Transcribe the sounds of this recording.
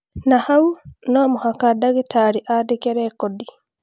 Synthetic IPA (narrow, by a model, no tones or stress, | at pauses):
nahaunɔmohakadaɣetaɾiʔadekɛɾɛkɔdi